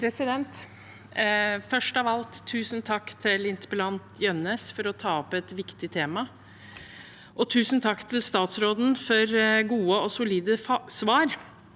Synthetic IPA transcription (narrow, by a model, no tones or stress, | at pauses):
pʰɾɛsɪd̪ɛnt̪ | fœʂʈɑʋɑlt̪ʰːʉːsnt̪ʰɑkːt̪ʰɪlɪnt̪bəlɑnt̪jœnəsfɔɾɔt̪ʰɑːɔpɛt̪ʋɪkt̪ɪt̪ʰeːmɑ | ʔɔt̪ʰʉːsn̩t̪ʰɑkːt̪ʰɪlst̪ɑːt̪sɾoːd̪n̩fɔɾɡuːəɔsʊliːd̪əsʋɑːɾ